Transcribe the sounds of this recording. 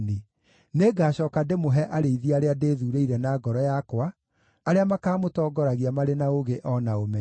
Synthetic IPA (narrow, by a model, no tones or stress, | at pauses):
ni | neɡaːɕɔːkademoɦɛʔaɾeiðiaɾeadeːðuːɾeiɾɛnaːɡɔɾɔjakwaː | ɾeamakaːmotɔːɡɔɾaɣiamaɾenaoɣeʔɔnaomɛ